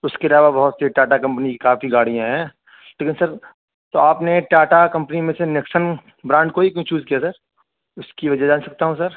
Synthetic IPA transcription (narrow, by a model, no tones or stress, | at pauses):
ʊskeɐlaːʋabɐɦʊt̪sɾiʈaːʈakɐ̃mpənikikaːfiɡaːɽijãɦɛ̃ː | leːkɪnsɐɾ | t̪oaːpneʈaːʈakɐ̃mpnimẽsenɪksən | bɾãːɳɖkoːikt͡ʃuːzkijasɐɾ | ʊskiʋɐd͡ʒɛd͡ʒaːnsɐk̚t̪aɦũsɐɾ